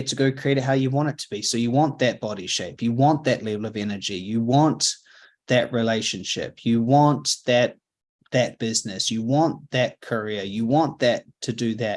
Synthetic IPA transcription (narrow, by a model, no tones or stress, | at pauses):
tʰəɡoʊɨ̃kʰɹ̥ieɪɾɨɦaʊjɨwɑ̃ɾ̃ɨtʰəb̥isoʊjɨwɑ̃nðɨt̚b̥ɑɾiʃeɪpʰjɨwɑ̃nðɨʔlɛvl̩ˠʌvɛnə˞d͡ʒijɨwɑ̃n | ðɨʔɹileɪʃɨ̃nʃɪ̰pʰjɨwɑ̃nðɨt̪̚ | ðɨt̚b̥ɪznɨsjɨwɑ̃nðɨt̚kʰə˞ɪəjɨwɑ̃nðɨtʰɨdɨðɨ